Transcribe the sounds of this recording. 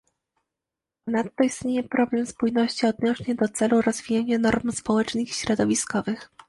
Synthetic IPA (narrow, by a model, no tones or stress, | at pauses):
pɔnat̪ːɔist̪ɲejɛpɾɔblɛmspujnɔɕt͡ɕiɔd̪nɔʂɲɛd̪ɔt̪sɛluɾɔzvʲijaɲanɔɾmspɔwɛt͡ʂnɘxɕɾɔd̪ɔvʲiskɔvɘx